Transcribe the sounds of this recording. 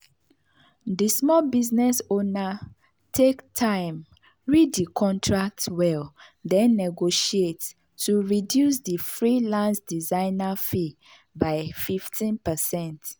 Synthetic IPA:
dismɔlbiznɛsona | tʰektʰãɪ̃m | ɹiddikʰɔ̃ntʰɹak̚twɛldɛ̃nːɛɡoʃiet | tːuɹidjus̬difɹilãnsdizãɪnafi | baɪfiftʰĩnpəsɛ̃nt

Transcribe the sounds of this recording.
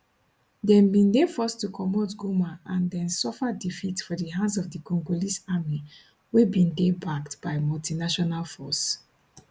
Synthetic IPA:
dɛ̃nbĩndefɔstukʰɔmotɡomaʔãndɛ̃nsɔfadifitsfɔdiɦãnsɔvdikʰɔ̃ŋɡolisami | webĩndebaktb̥aɪmɔltinaʃɔnalfɔ̰s

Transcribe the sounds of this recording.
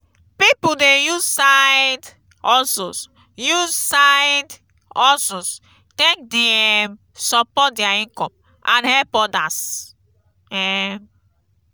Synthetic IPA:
pipudejuzsajd | ɔsos | juzsaɪd | ɔsɔs | tɛ̃k̚diɛm | sɔpɔt̚diaĩŋkɔ̃m | ʔãnhɛpɔdas | ɛm

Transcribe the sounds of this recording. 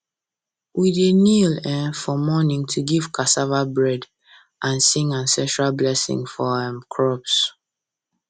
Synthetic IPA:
wʔidenilɛ̃fɔmɔnĩŋtʰuɡiv̥kʰasavabɹɛd | ʔãnsĩŋãnsɛ̃nʃɹalblɛsḭ̃ŋfɔɛ̃mkʰɹɔps

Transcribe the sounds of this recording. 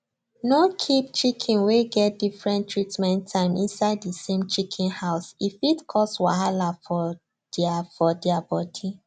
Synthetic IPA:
nokʰip̚t͡ʃikʰĩnweɡɛt̚difɹɛ̃ntʰɹitmɛ̃ntʰːãɪ̃mʔĩnsaɪddəsẽmt͡ʃikʰĩnhaʊsifitkʰɔstwa̰halafɔ | d̥afɔdɛabɔdi

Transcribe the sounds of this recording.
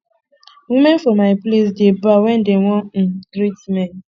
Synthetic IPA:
wimenfɔmaɪples̬debʊawɛn̩deŋʷɔ̃ɡɾitmɛn

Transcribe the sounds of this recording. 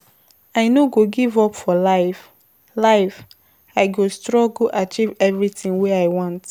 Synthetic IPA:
aɪnoɡoɡivɔpfɔlaɪf | laɪf | aɪɡostɹɔɡlʔat͡ʃivɛvɹitĩŋwɛaɪwɔ̃nt

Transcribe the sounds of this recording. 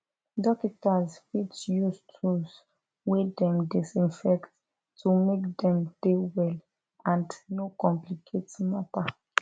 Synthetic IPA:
dɔkitazwit͡ʃjustʰus | wedɛ̃mdisĩnfɛkt | tʰumekdɛ̃md̥ewɛl | ãndnokɔ̃mplikʰetmapa

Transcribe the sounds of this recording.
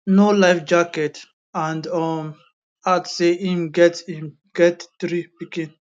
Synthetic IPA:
nolajfd͡ʒaket | ãndɔm | atseʔĩmɡɛtsĩm | ɡ̥ɛtt̪ɾipikĩn

